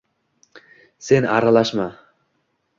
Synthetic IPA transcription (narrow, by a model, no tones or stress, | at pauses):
se̞nɑ̰ɾalˠaʃma